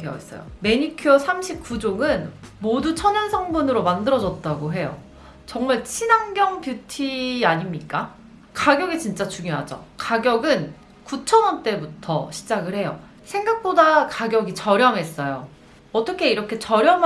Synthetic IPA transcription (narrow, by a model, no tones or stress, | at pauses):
ḛs͈ʌ̰jo̰me̞ɲikʰiʌsʰamɕʰip̚k͈ud͡ʑoŋɯnmodut͡ɕʰʌɲʌnsʰʌŋbunɯɾomandɯɾʌd͡ʑʌt̚t͈aɡoɦe̞jo̰ | t͡ɕʌŋmaɭt͡ɕʰinaŋɡjʌŋpjutʰiaɲimɲik͈a | kaɡjʌɡit͡ɕint͡ɕ͈at͡ɕuŋjoɦad͡ʑo̰kaɡjʌɡɯn | kut͡ɕʰʌnʌnt͈e̞butʰʌɕʰi̥d͡ʑaɡɯɭhe̞jo | sʰeŋɡak̚p͈odakaɡjʌɡit͡ɕʌɾjʌmɦes͈ʌjo | ʌt͈ʌkʰe̞iɾʌkʰe̞t͡ɕʌɾjʌm